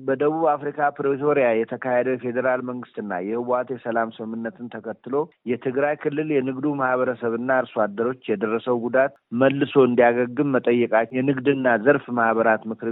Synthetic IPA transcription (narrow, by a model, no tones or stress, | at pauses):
bəd̪əβuβafɾikʰapɾt̪ʰo̞ɾijajɛt̪ʰəkʰahed̪əjɛfe̞d̪əɾalməŋɡɨst̪ɨnːa̰jɛhɨwat̪ʰesəlamsɨmɨmːɨnːət̪ʰɨnt̪ʰəkʰət̪ːɨlo̞jɛt̪ʰɨɡɾajkʰɨlːɨljɛnɨɡd̪umahβəɾəsəβɨnːaɾsad̪əɾo̞t͡ʃːjɛd̪ərːəsəwɡud̪at̪məlːɨso̞ɨnd̪ijaɡəɡːɨmːət̪ʼəjːɨkʼajɛnɨɡd̪ɨnːazəɾfmahβəɾat̪mɨkɨɾ